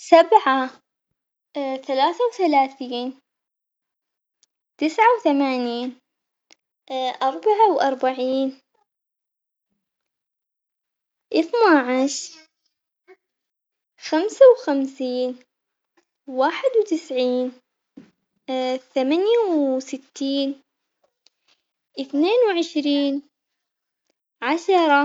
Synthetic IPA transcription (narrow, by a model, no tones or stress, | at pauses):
sabʕa | θalaːθawθalaːθiːn | t̪ɪsʕawθamaːniːn | ʔɑɾˤbaʕawʔɑɾˤbaʕiːn | ʔɪθnaʕaʃ | xamsawxamsiːn | waːħɪd̪wt̪ɪsʕiːn | θamanjawsɪt̪ːiːn | ʔɪθneːnwʕɪʃɾiːn | ʕaʃɑɾˤɑ